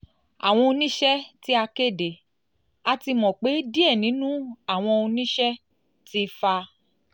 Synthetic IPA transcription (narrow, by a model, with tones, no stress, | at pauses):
a̰˨w̃ɔ̃˧o˧nĩ˦ʃɛ˦ti˦a˧ke˦˨de˨ | a˧ti˧mɔ̃˨k͡pe˨˦di˦ɛ˦˨nĩ˨˦nũ˦a˦˨w̃ɔ̃˧o˧nĩ˦ʃɛ˦ | ti˦fa˧